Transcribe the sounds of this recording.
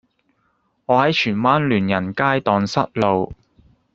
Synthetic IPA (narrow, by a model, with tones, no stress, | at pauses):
ŋɔː˨˧hɐ˨˥jt͡ʃʰyː˨˩nwaː˥nlyː˨˩njɐ˨˩nkaː˥jt̪ɔː˨˧ŋsɐ˥t̚lo˨˧w